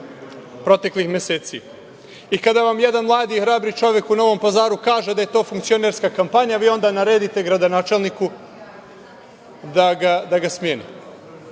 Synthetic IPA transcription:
pɾo̞t̪e̞klixmjeseːt̪si | ikad̪aʋamje̞d̪anmlˠaːd̪ixɾaːbɾit͡ʃo̞ʋje̞kuno̞ʋo̞mpazaːɾukaːʒed̪aje̞t̪o̞ːfuŋkt̪sio̞neɾskakampaɲaʋiːo̞nd̪anaɾed̪it̪e̞ɡɾad̪o̞naːt͡ʃelˠniku | d̪aɡad̪aɡasmjeːnḭ

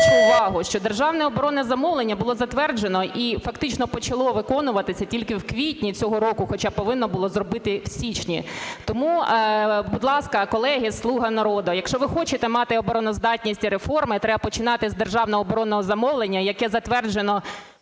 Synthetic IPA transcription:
t͡ʃʊʊʋɑɦʊʃt͡ʃɔd̪erʒɑwnɛɔbɔɾɔnɛzɐmɔʋlˠenʲːɐbʊlˠɔzɐt̪ʋɛrd͡ʒenɔifɐkt̪ɪt͡ʃnɔpɔt͡ʃɐlˠɔʋɪkɔnʊʋɐt̪ɪsʲɐtʲilʲkɪwkʋʲitʲnʲit͡sʲɔɦɔɾɔkʊxɔt͡ʃɑpːɔʋɪnːɔbʊlˠɔzrɔbɪt̪ɪwsʲit͡ʃnʲḭt̪ɔmu | bʊd̪lˠɑskɐkɔlˠɛɦɪslˠuɦɐnɐɾɔd̪ʊjɐkʃt͡ʃɔʋɪxɔt͡ʃɪt̪ɛmɑt̪ɪɔbɔɾɔnɔzd̪ɑtʲnʲisʲtʲiɾefɔrmɪt̪ɾɛbɐpɔt͡ʃɪnɑt̪ɪzd̪erʒɑwnɔɦɔːbɔɾɔnɔɦɔzɐmɔwlˠenʲːɐjɐkɛzɐt̪ʋɛrd͡ʒenɔ

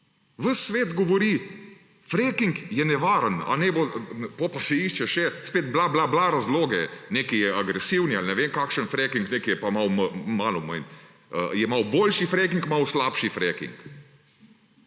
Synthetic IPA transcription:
ʋəsːʋeːd̪ɡɔʋɔɾi | fɾekiŋkjɛnɛʋaːɾəna̰nɛbop̪opasɛiʃt͡ʃɛʃɛspeːd̪blablablaɾazloːɡɛnekijɛaɡɾɛsiwnialnɛʋeːmkakʃənfɾɛkiŋkneːkijɛpamawməmalɔməjn | ə̰jɛmawboːlʃifɾek̬iŋkmawslaːpʃifɾɛːkḭŋk

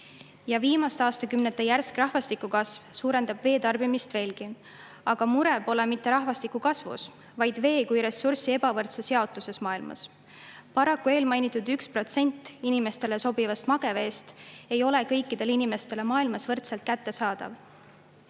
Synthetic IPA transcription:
jɑviːmɑst̪eɑːst̪ɑkymnet̪ːˑejærskrɑhvɑst̪ikːˑukɑsvsuːɾe̞nd̪ɑb̥ve̞ːt̪ɑrb̥imist̪ve̞ːlɡ̥i | ɑɡ̥ɑmuɾe̞bo̞le̞mit̪ːe̞ɾɑɦvɑst̪ikukɑsvṵs | vɑjd̪̥ve̞ːkujɾe̞sːursie̞bɑvɤrt̪sesheɑot̪ːˑuse̞smɑːilmɑ̰s | pɑɾɑkːˑue̞ːlmɑjnit̪ːˑud̪ykspro̞t̪se̞nʲt̪ːˑinime̞st̪e̞le̞so̞bivɑst̪mɑɡ̥e̞ve̞ːst̪e̞jo̞le̞kɤ̞jkːˑid̪̥e̞linime̞st̪e̞le̞mɑːilmɑsvɤrt̪selt̪̚kæt̪ːe̞sɑːd̪̥ɑ̰v

